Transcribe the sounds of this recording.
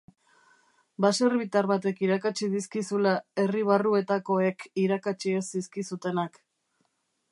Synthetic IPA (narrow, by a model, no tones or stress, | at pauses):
base̞ɾβit̪aɾβat̪e̞kiɾakat͡ʃiðiskisulae̞riβ̞arue̞t̪ako̞e̞kiɾakat͡ʃiesdiskisut̪e̞nak